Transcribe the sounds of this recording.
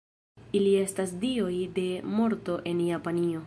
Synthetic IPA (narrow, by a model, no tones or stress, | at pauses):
ilie̞stasdio̞jde̞mo̞ɾto̞ʔe̞njapanio̞